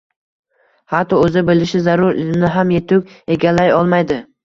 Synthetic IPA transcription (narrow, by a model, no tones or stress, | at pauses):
hat̪ʰɒɵzɪbɪlɪʃɪzaɾʊɾɪnɪɦamje̞t̪ʰʊkʲe̞ɡʲalːajɒlˠmajd̪ɪ